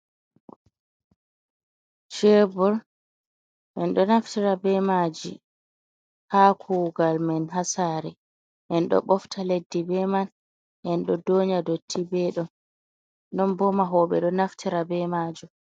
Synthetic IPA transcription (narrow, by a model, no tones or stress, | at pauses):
ʃebɔɾ | mɛnɗɔnaftiɾabɛmad͡ʒi | hakʰuːɡalmɛnɦasaːɾɛ | ʔɛnɗɔ̰ɓɔftʰaledːibɛman | ʔɛnɗɔdoɲadotʰːibɛɗɔn | nɔnbɔmaɦɔːɓɛ̰ɗɔnaftʰiɾabɛmaːd͡ʒu